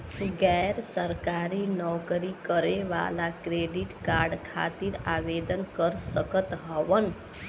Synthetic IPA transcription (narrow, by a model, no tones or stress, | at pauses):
ɡɛjɾsəɾkaːɾinɔkəɾikəɾeʋa̰lakɾeːɖiʈkaɾɖkʰa̰ːt̪iːɾaːʋed̪ənkəɾsəkət̪ɦəʋən